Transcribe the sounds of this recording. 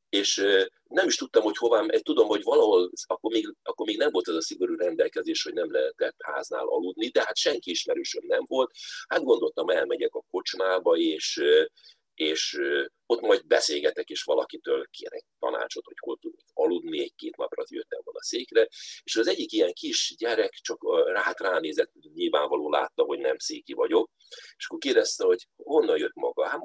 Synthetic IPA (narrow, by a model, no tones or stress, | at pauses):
eːʃ | nɛmiʃt̪ut̪ːɒmho̞cho̞vaːmʔɛt̪ud̪o̞mho̞ɟʋɒlɒɦo̞lɒkːo̞rmeːɡɒkːormeːɡnɛmvo̞lt̪ɛzɒsiɡo̞ɾuːɾɛnd̪ɛlkɛzeːʃho̞ɟnɛmlɛɦɛt̪ɛt̪ha̰ːzna̰ːlʔɒ̰lud̪nid̪ɛɦat̪ʃɛŋkiiʃmɛɾøːʃønːɛmvo̞lt̪had̪̚ɡo̞n̪d̪o̞lt̪ɒmɛlmɛɟɛkɒko̞t͡ʃnaːbɒeːʃ | eːʃø | o̞t̪ːmɒjd̪̚bɛseːlɡɛt̪ɛkeːʃʋɒlɒkit̪øːlkʰḛːɾɛ̰c̚t̪ːɒ̰na̰ːt͡ʃo̞t̪ho̞cho̞̰lt̪ud̪okɒlud̪niɛɟ̚keːt̪nɒprɒ̰t̪jøt̪ːɛmonɒseːkrɛeːʃɒzɛɟːikijɛŋkiʃɟɛɾɛkt͡ʃɒkraːt̪raːneːzɛt̪ɲilva̰ːɱvɒloːla̰ːt̪ːɒɦo̞ɟnɛmseːkivɒɟo̞k̚ | eʃɒ̥kːorkeːd̪ɛst̪ɛho̞ɟho̞nːɒnjøt̪mɒɡɒa